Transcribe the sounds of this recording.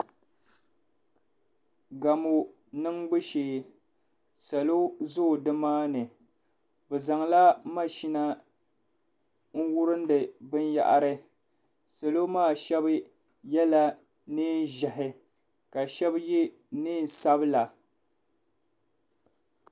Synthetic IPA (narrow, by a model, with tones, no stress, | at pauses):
ɡa˨mo˨ | nɨ˦ŋɡ͡bɨ˦ʃeː˨˦ | sa˨lo˦zo˦˨dɨ˦maː˦nɨ˨ | bɨ˨za˨ŋla˦ma˦ʃi˦na˦ | ŋ̩˦wʊ˦ɾɨ˦n˦dɨ˨bɨ˦n˦ja̰˦ʔa̰˨ɾɨ˦ | sa˨lo˦maː˦˨ʃɛ˦b | jɛ˦la˦ | ni˦n˦ʒɛ˨ɦɪ˨ | ka˨ʃɛ˦bji˦ | nɨː˦n˨sa˦bla˨